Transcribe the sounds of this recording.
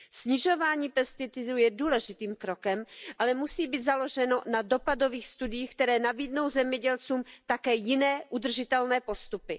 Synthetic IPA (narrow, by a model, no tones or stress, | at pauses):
sɲɪʒo̞vaːɲiːpɛst̪ɪt̪ɪdujɛduːlɛʒɪt̪iːmkɾokɛmʔalɛmusiːbiːt̪zalo̞ʒɛno̞nado̞pado̞viːxst̪udɪjiːxkt̪ɛɾɛːnabiːdno̞wzɛmɲɛɟɛlt͡suːmt̪akɛːjɪnɛːʔud̪r̩ʒɪt̪ɛlnɛːpo̞st̪upɪ